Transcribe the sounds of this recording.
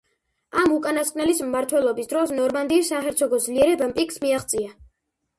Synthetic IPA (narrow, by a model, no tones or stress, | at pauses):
amukʼanaskʼnɛlismːaɾt̪ʰwɛlˠɔbisd̪ɾɔsnɔɾmand̪iːsaχɛɾt̪sʰɔɡɔd̪zliɛɾɛbampʼikʼsmiaχt̪sʼia